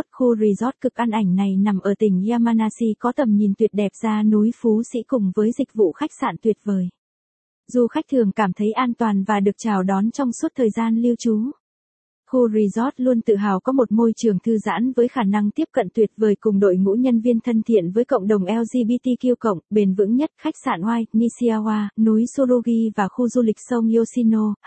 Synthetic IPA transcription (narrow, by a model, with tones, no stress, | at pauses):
t̚xu˧zi˧zɔ˦˥t̚kɨ˨˩k̚ʔa˧nʔa˧˩jŋ̟na˨˩jna˨˩mʔəː˧˩t̪ï˧˩ŋ̟˧aː˧maː˧naː˧si˧kɔ˨˦t̪ə˨˩mɲi˨˩nt̪wi˨˩ət̚ɗɛ˨˩p̚z̥aː˧nu˨˦jfu˨˦sḭ˧˥kʊ˨˩ŋ͡mvəː˨˦jzï˨˩k̟̚vṵ˧˨xa˦˥jk̟̚sa̰ː˧˨nt̪wi˨˩ət̚vəː˨˩j | zu˨˩xa˦˥k̚t̪ʰɨ˨˩əŋkaː˧˩mt̪ʰə˨˦jʔaː˧nt̪waː˨˩nvaː˨˩ɗɨ˨˩ək̚t͡ɕaː˨˩wɗɔ˨˦nt͡ɕɔ˧wŋ͡mswu˦˥t̚t̪ʰəː˨˩jzaː˧nli˧ə˧wt͡ɕu˨˦ | xu˧zi˧zɔ˦˥t̚lu˧ənt̪ɨ̰˧˨ɦa̰ː˨˩wkɔ˨˦mo˨˩t̚mo˧jt͡ɕɨ˨˩əŋt̪ʰɨ˧za̰ː˧˥nvəː˨˦jxaː˧˩na˧ŋt̪i˦˥əp̚kə̰˧˨nt̪wi˨˩ət̚vəː˨˩jkʊ˨˩ŋ͡mɗo̰˧˨jŋṵ˧˥ɲə˧nvi˧ənt̪ʰə˧nt̪ʰḭ˧˨ənvəː˨˦jkə̰˧˨wŋ͡mɗə˨˩wŋ͡mʔɛ˧wzi˧ɓi˧t̪i˧ki˧əwkə̰˧˨wŋ͡mɓe˧nvɨ̰˧˥ŋɲə˦˥t̚xa˦˥jk̟̚sa̰ː˧˩nwaː˧j̚mi˧si˧aː˧waː˧nu˨˦jso˧lo˧ɣi˧vaː˨˩xu˧zu˧lï˨˩k̟̚sə˧wŋ͡mi˧o˧si˧no˧